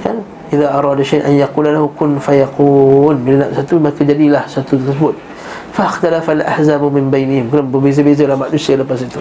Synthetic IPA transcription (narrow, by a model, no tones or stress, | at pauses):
kan | ʔiðaʔɑɾˤɑdaʃajʔa̰njaquːlalahukʊnfajaqunbilana̰ʔsat̪uməɾekad͡ʒadilahsat̪ut̪əsəbʊt̪̚ | faxt̪alafalʔa̰hzammɪnbajnɪhɪmkənabəbez̬əbez̬alahmaʔnusialəpasit̪u